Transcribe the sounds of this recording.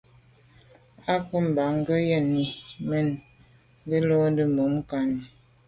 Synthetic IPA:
a˦ku˦m̩˨ba˨ŋ˦ɡə˦jə˦˨ni˨mə˦˨n˦ | ɡə˦lo˦də˦mo˨˦m˦ka˨ni˨

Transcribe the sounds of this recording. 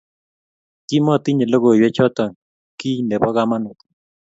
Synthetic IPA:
ki˦mɔ˦˨t̪i˦ɲe˨lo˦ɡo˨jwɛ˦t͡ʃɔ˦t̪ɔ˨ŋ | ki˦nɛ˨bɔ˦ɡa˦ma˦nɔ˨t̪

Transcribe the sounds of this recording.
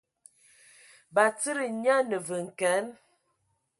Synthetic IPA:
ba˨t͡sə˦ɾə˨ɲa˦nə˨və˨ŋ̩˨kɛ˨˦n

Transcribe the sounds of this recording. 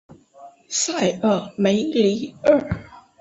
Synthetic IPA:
sa˥˩ɪə˥˩me˧˥ɪli˧˥ə˥˩

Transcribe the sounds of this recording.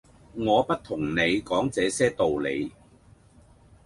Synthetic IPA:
ŋɔː˨˧pɐ˥t̚t̪ʰʊ˨˩ŋne˨˧jkɔː˨˥ŋt͡sɛː˨˧sɛː˥t̪o˨wlḛ˨˧j

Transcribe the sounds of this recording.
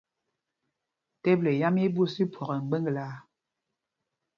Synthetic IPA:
te˦ble˨ja˦me˦bu˦si˦pʰwɔ˨ɣɛ˨ŋ̩˨ɡ͡be˦ŋɡla˨˦

